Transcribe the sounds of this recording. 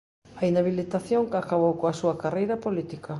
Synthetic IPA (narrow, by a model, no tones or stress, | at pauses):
ainaβilit̪aθjoŋkakaβ̞owkoasuɐkarejɾɐpolit̪ikɐ